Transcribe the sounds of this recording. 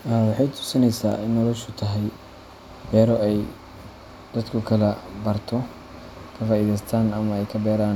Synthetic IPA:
ʔɛwɑħɑjt̪ʰʊ̥sɪnɛjsa̰ːʔɪnːɔlɔʃʊt̪ʰɐɦɛj | bɛːɾɔɛj | d̪̥ɐd̪kʰʊkʰɐlɐbɐrt̪ʰɔ | kʰɐfaːiːðɛjst̪ʰaːnɐmɐɛjkʰɐbɛːɾaːn

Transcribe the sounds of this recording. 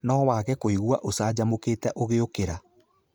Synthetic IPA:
nɔwaːkɛkoiɣwaʔosaːd͡ʑamokeːtɛʔoɣeokeɾa

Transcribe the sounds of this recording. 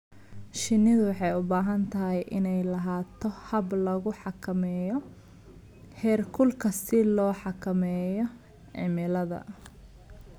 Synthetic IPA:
ʃɪnɪðʊwɑħɑjʊbaːɦɐnt̪ʰɐɦɛjʔɪnɛjlɐɦaːt̪ʰɔhɐblɐɣʊħɑkʰɐmɛːjɔ | hɛːrkʰʊlkʰɐsɪlɔːħɑkʰɐmɛːjɔ | ʕɪ̰mɪlɐðɐ̰

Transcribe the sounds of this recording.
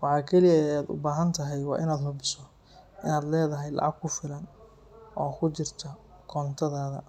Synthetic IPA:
wɑħɑːkʰɛlɪjɐaːd̪ʊ̰baːɦɐnt̪ʰɐɦɛjwɑ̰ːʔɪnaːd̪ɦɐbɪsɔ | ʔɪnaːd̪lɛːðɐɦɛjlɑ̰ʕɑɡ̚kʰʊfɪlɐn | ʔɔːkʰʊt͡ʃɪrt̪ʰɐ | kʰɔːnt̪ʰɐðaːðɐ̰

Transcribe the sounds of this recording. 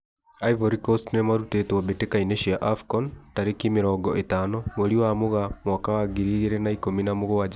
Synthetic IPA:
aivoɾikɔstnemaɾutetabetekaineʃiaʔafkɔntaɾekimeɾɔːɡɔʔetaːnɔmoɾiwamoɣamwakawaɣiɾiɣeɾɛnaikominamoɣowad͡ʒa

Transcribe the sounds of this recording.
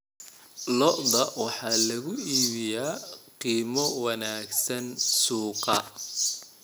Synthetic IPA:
lɔʔd̪ɐwɑħɑːlɐɣʊiːβɪjaːqiːmɔwɑnaːɡsɐnsuːqɑ

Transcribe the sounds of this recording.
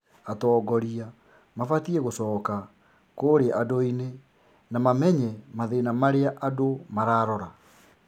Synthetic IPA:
atɔːɡɔɾia | mafatiɛɣosɔːka | koɾeʔadoine | namamɛɲɛmaðenamaɾeaʔadomaɾaːɾɔɾa

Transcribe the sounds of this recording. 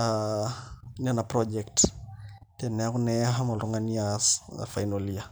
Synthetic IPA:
a | nianapɾɔd͡ʒɛkt | tɛnɛakunɛaɦamalɔŋaniasfajnolia

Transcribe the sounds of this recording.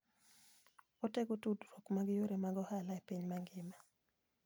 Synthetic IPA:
oteɡotudɾokmaɡɪjoɾemaɡɔhalaepiɲmaŋɡɪma

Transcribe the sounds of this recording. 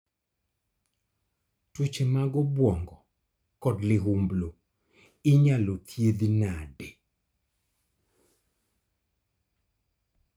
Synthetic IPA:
twut͡ʃemaɡɔbwɔŋɡɔ | kɔdlɪɦumblo | ɪɲalot̪ʰjed̪inade

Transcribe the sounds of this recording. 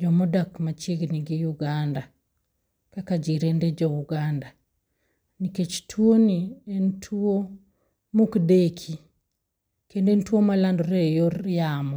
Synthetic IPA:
d͡ʒɔmɔdakmat͡ʃjeɡniɡijuɡanda | kakad͡ʒiɾended͡ʒɔuɡanda | niket͡ʃtʰuonientʰuo | mukdekʰi | kendentuomalandɔɾejɔɾjamɔ

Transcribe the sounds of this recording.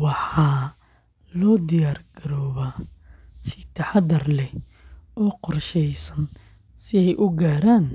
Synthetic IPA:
wɑħɑː | lɔːd̪ɪjaːrɡɐɾɔːβaːsɪt̪ʰɑħɑd̪ɐrlɛ | ɔːqɔrʃɛjsɐn | sɪɛjʔʊɡaːɾaːn

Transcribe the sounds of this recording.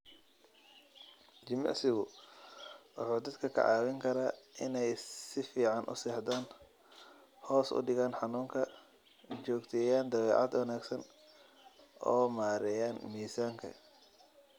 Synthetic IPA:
t͡ʃɪmɑ̰ʕsɪɣʊ | wʊ̰ħuːd̪ɐd̪kʰɐkʰɐ̰ʕɑ̰ːwɪŋkʰɐɾaːʔɪnɛjsɪfiːʕɑnʔʊ̰sɛːħd̪aːn | hɔːsʊ̰ɖɪɣaːnħɑnuːŋkʰɐ | t͡ʃɔːɡt̪ʰɛːjaːnd̪ɐβɛːʕɑ̰d̪wɐnaːɡsɐn | ʔɔːmaːɾɛjaːnmiːsaːŋkʰɐ̰

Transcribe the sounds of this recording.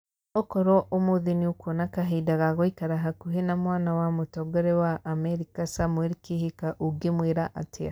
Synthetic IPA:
okɔɾɔʔomoðeniokonakaɦedaɣaɣoikaɾaɦakuɦenamwaːnawamotɔɡɔɾɛwaʔːmɛɾikasamweɾikihikaʔuɡemweɾaʔatʰea

